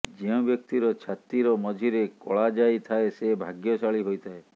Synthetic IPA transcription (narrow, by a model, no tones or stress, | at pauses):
d͡ʒeũbjɔk̚t̪iɾɔt͡ʃʰat̪iɾɔmɔd͡ʒʱiɾekɔ̰ɭad͡ʒajt̪ʰaesebʱaɡjɔsaɭiɦojt̪ʰae